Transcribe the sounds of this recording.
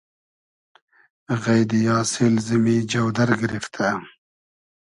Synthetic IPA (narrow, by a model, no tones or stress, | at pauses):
ɣajd̪ijɑːsilzimid͡ʒɐwd̪ɐɾɡɪɾift̪ʰa